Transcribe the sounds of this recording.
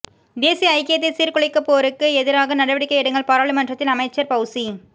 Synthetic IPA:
d̪eːsijɐɐɪkːɪjɐt̪ːɐɪsiːɾkʊɭɐɪkːɐpːoːɐɾɯkːɯɛðɪɾaːɣɐnɐɽɐʋɪɽɪkːɐɪɛɽɐŋɡɐɭpɐːɾaːɭimɐndrɐt̪ːɪlɐmɐɪt͡ʃːɐɾpɐɣɯsi

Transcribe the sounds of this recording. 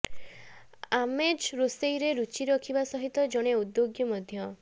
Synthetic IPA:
amed͡ʒɾosejɾeɾut͡ʃiɾɔkʰibasɔɦit̪ɔd͡ʒɔɽ̃eud̪joɡjɔmɔd̪ʱjɔ

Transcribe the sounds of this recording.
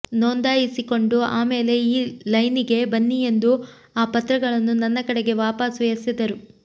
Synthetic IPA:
noːnd̪aːjisiko̞ɳɖuaːme̞ːle̞iːlɐjniɡe̞bɐnːije̞nd̪u | aːpɐt̪ɾɐɡɐɭɐnːunɐnːɐkɐɽeɡe̞ʋaːpaːsʋɐjɐsid̪ɐɾu

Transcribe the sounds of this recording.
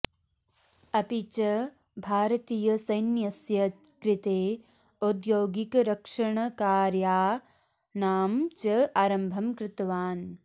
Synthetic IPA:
ɐpit͡ʃɐ | bʱaːɾɐt̪iːjɐsɐjnjɐsjɐ | kɾɪt̪eː | od̪joːɡikɾɐkʂɐɳɐkaːɾjaː | naːmt͡ʃɐaːɾɐmbʱɐmkɾɪt̪ɐʋaːn

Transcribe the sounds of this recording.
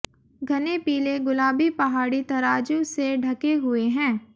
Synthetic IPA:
ɡʱɐnepiːleɡʊlaːbipɐɦaːɽit̪ɐɾaːd͡ʒũseɖʱɐkeɦʊeɦɛ̃ː

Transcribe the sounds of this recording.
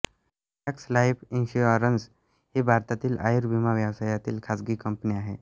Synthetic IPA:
ɛkslajpinɕuəɾənd͡z | hibʱaɾt̪at̪iːlʔa̰jɾbʱimaʋjəʋsajat̪iːlkʰasɡiːkəmpniːaɦe

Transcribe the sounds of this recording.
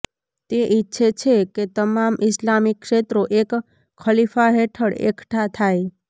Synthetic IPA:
t̪eʔitːʃʰet͡ʃʰeket̪əmaːmʔɪslaːmikːʂeːt̪ɾoʔeːk | kʰːəlipʰaɦeʈʰəɽḛkʰʈʰat̪ʰaːe

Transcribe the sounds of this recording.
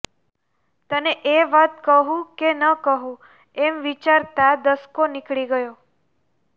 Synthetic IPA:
t̪əneʔeʋat̪kəɦũkenəkəɦũ | emʋit͡ʃaɾt̪ad̪əskonikɭiɡəjo

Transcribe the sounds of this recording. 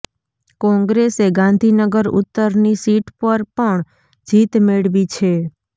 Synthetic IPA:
kɔ̃ŋɡɾeseɡãnd̪ʱinəɡəɾʊ̰t̪ːəɾnisiʈpəɾpəɳ | d͡ʒit̪meɭʋit͡ʃʰe

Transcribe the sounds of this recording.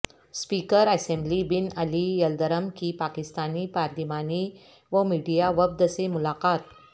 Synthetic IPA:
spiːkəɾəsẽmblibinəlijəld̪əɾəmkiːpakist̪aniːpaɾd̪imani | ʋəmiːɖijaʋəb̚d̪əsemulaqaːt̪̚

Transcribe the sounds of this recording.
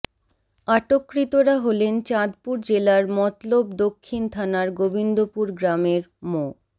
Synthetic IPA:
aʈokːɾit̪oɾaɦolent͡ɕad̪puɾd͡ʑelaɾmɔt̪lobd̪okʰːint̪ʰanaɾɡobind̪opuɾɡɾameɾmo

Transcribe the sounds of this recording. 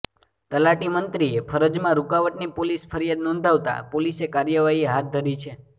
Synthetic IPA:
t̪əlaʈimənt̪ɾiepʰəɾəd͡ʒmãɾukaʋəʈnipolispʰəɾijad̪nɔ̃nd̪ʱaʋt̪a̰polisekaɾjəʋaɦieɦat̪̚d̪ʱəɾit͡ʃʰe

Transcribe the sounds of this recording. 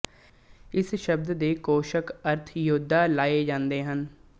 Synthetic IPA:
ɪsʃəbd̪d̪eːkoːʃəkəɾt̪ʰjʊd̪ʱːaːlaːeːd͡ʒãːnd̪eːɦən

